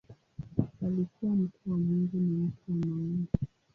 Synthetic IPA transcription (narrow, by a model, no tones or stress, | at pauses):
alikuwam̩tʰuwamuŋɡɛnawatʰuwanauŋɡi